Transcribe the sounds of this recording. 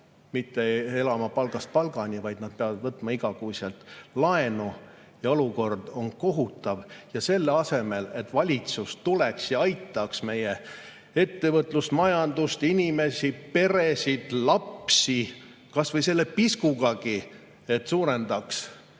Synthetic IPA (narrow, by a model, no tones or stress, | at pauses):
mit̪ːee̞lɑmɑpɑlɡ̥ɑst̪̚pɑlɡ̥ɑnʲivɑjd̪̥nɑd̪̥̚pe̞ɑvɑd̪̥vɤt̪ːˑmɑiɡɑkuːsɑlt̪lɑe̞nu | jɑo̞luko̞rd̪̥o̞nko̞ɦut̪ːˑɑvjɑse̞lːeɑse̞me̞le̞t̪ːvɑlʲit̪sust̪ule̞ksjɑɑjt̪ːˑɑksme̞je̞ | e̞t̪ːe̞vɤt̪ˑlusmɑjɑnd̪̥ust̪inʲime̞sʲipe̞ɾe̞sid̪̥lɑpsi | kɑsvɤjse̞lːe̞piskuɡɑɡi | e̞t̪ːsuːɾe̞nd̪̥ɑks